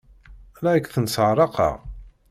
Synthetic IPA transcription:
lækθənsəʕɾˤɑqɑ̰ʁ

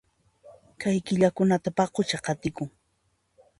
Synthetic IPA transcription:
kajkɪʎakʊnat̪apɑqʊt͡ʃaqɑt̪ɪkʊŋ

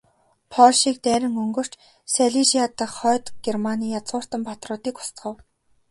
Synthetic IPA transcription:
pʰɔɮʃiːk̚t̪æːɾʲɪ̆ŋɵŋɡɵ̆r̥t͡ɕ | sæɮiʃiat̪ə̆χɔːt̪ɡ̥ermaniːjat͡sʁʊːr̥t̪ə̆mpʰat̪rʊːt̪iːkʊ̥st̪ɢə̆w

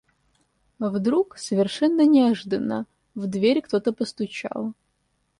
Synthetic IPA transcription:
vd̪ɾuksəvʲɪrʂɛnːənʲɪɐʐɨd̪ənːə̰ | vd̪vʲeɾʲkt̪o̞t̪əpəst̪ʊt͡ɕa̰lˠ

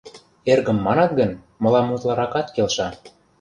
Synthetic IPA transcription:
erɣə̆mːɑnɑt̪̚ɡə̆n | mɤ̆lɑmːut̪lɑɾɑkɑt̪kelʃɑ

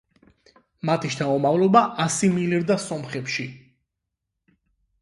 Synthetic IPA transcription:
mat̪ʰiʃt̪ʰamɔmavlɔbaʔasimiliɾd̪asɔmχɛpʃi

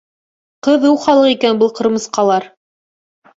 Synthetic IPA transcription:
qɤðuwχɑlˠɤqikænbɤlˠqɤ̆ɾmɤ̆sqɑlˠɑɾ

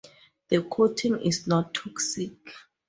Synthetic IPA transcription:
ðəkʰotʰĩŋḭsnɔtʰːɔksik

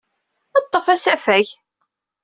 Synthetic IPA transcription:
ɑt̪ˤːəfæsæfæç

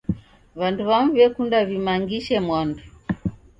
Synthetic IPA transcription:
βanduβamuβɛkundaβimaŋɡiʃɛmwandu

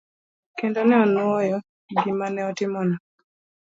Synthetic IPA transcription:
kɛndɔnɛɔnwɔjɔ | ɡɪmanɛɔtɪmɔnɔ

